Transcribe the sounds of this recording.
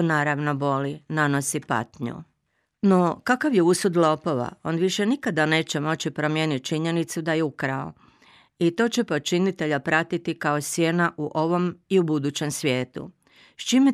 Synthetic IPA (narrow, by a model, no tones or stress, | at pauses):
naːɾaʋno̞bo̞linano̞sipa̰t̪ɲṵ | no̞kakaʋjeusud̪lˠo̞po̞ʋa̰o̞̰nʋiʃe̞nikad̪ane̞ːt͡ɕe̞mo̞t͡ɕipɾo̞mje̞ːnit̪̚t͡ʃiɲe̞nit̪sud̪ajeukɾao̰ | it̪o̞ːt͡ɕepo̞t͡ʃinit̪e̞ʎapɾat̪it̪ikao̞sje̞naʔuʔo̞ʋo̞miubud̪ut͡ɕe̞msʋʲje̞ːt̪ṵ | st͡ʃime